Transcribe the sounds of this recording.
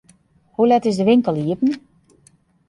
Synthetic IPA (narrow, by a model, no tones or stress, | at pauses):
hulɛtɪsdəʋɪŋkəlˠiəpn̩